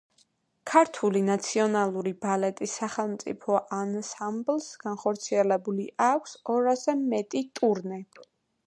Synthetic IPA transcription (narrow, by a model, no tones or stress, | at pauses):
kʰaɾt̪ʰulinat̪sʰiɔnalˠuɾibalɛt̪ʼisːaχɛlˠmt̪sʼḭpʰɔʔansamblsɡ̥anχɔɾt̪sʰiɛlɛbuliʔakʷʰsɔɾazɛmɛt̪ʼit̪ʼuɾnɛ